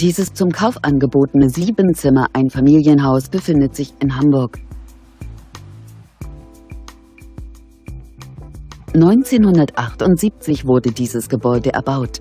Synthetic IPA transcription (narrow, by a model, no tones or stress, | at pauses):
d̥iːzəst͡sʊmkʰaʊfʔanɡəboːtənəziːbənt͡sɪmɐʔaɪnfamiːljənɦaʊsb̥əfɪndətz̥ɪçɪnɦambʊɐk | nɔʏnt͡seːnhʊndɐtʔaχtʊntz̥iːp̚t͡sɪçv̥ʊɐdədiːzəsɡ̥əbɔʏdəʔɛ̰ɐbaʊt